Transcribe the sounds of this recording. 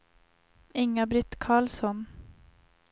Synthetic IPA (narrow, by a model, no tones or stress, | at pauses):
ɪŋːabɾɪt̪ːkʰɑːɭsɔn